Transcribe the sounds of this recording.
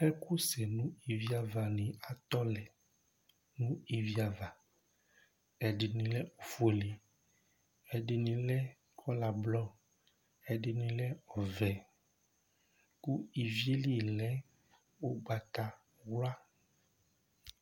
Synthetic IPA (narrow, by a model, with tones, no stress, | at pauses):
ɛ˦ku˦sɛ˨nũ˦i˨vi˦a˨va˨nĩ˨a˨t̪ɔ˦lɛ˨ | nũ˦i˨vi˨a˨va˨ | ɛ˨ɖi˨nĩ˨lɛ˦o˨fo˨li˨ | ɛ˨ɖi˨nĩ˨lɛ˦ | kʰɔ˦la˨blɔ˦ | ɛ˨ɖi˨nĩ˨lɛ˦ɔ˨vɛ˨ | ku˦i˨vi˦e˦li˦˨lɛ˦ | wo˦ɡ͡ba˨t̪a˨ | wla˦